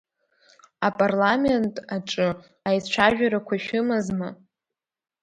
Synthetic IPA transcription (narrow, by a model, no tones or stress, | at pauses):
apʼarlame̞ntʼaʈ͡ʂʼɨ | ajt͡ʃʷʰaʒᶣaɾakʷʰaʃᶣɨmazma